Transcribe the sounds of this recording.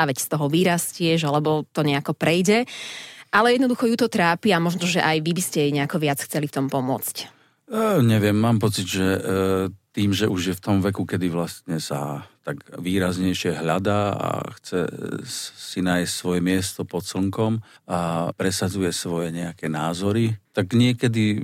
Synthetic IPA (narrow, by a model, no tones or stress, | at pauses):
aʋɛcst̪ɔɦɔʋiːɾascɪɛʒalɛbɔt̪ɔɲɛakɔpɾɛjɟɛʔalɛjɛd̪nɔd̪uxɔjut̪ɔt̪ɾaːpiamɔʒnɔʒɛʔajʋibiscɛɛɲɛakɔʋɪat͡sxt͡sɛlift̪ɔmpɔmʊɔt͡scː | ɲɛʋɪɛmːaːmpɔt͡sid̪ʒɛ | t̪iːmʒɛʔuʒjɛft̪ɔmʋɛkukɛd̪iʋlast̪ɲɛsa̰t̪aɡʋiːɾazɲɛjʃɪɛɦʎad̪aa̰xt͡sɛ̰ | sinaːjscsʋɔjɛmɪɛst̪ɔpɔt̪sl̩ŋkɔm | apɾɛsad͡zujɛsʋɔjɛɲɛakɛnaːzɔɾit̪aɡɲɪɛkɛd̪i